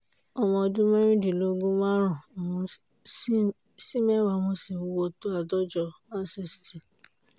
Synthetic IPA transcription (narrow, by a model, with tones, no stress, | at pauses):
ɔ˧mɔ̃˧dũ˦mɛ˦ɾ̃ĩ˦di˨lo˦ɡu˦mã˦ɾ̃ã˨o˨˧˦ | si˦mɛ˦wa˧˨mo˧si˦˨u˨˦wo˧to˦a˨dɔ˦d͡ʒɔ˧ma˦si˦˨si̥˨ti˨